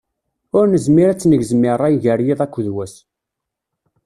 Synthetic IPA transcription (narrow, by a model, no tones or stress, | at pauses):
ʊɾnəzmiɾæt͡sːnəʝzmɪɾˤæjʝəɾjiðˤækʷːðwæs